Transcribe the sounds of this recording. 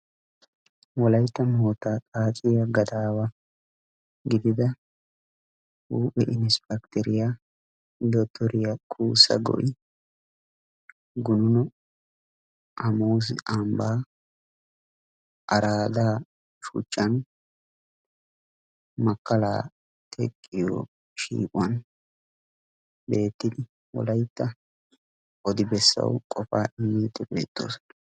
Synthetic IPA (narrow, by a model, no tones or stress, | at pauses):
wɔlɐjt̪ːɐmoːt̪aːt̪ʼaːt͡ʃʼɪjaɡɐd̪aːwɐ | ɡɪd̪ɪd̪ɐ | huːpʼːɛʔɪnɪspɐkt̪ɛɾɪja | d̪ɔt̪ʰːɔɾɪjɐkʰʼuːsɐ̰ɡɔ̰ʔɪ | ɡʊnʊnɔ | ʔɐmoːsɪ̰ambaː | ʔɐɾaːd̪aː | ʃṵt͡ʃʼːɐn | mɐkːɐla̰ː | t̪ʰɛkʼːɪjo̰ː | ʃḭːkʼwɐn | be̞ːt̪ːɪd̪ɪ | wɔ̰lɐjt̪ːɐ | ɔd̪ɪbɛsːɐ̰wkʼɔfaːʔɪmːiːt̪ːɛbe̞̰ːt̪ʼːo̞̰ːsɔ̥nɐ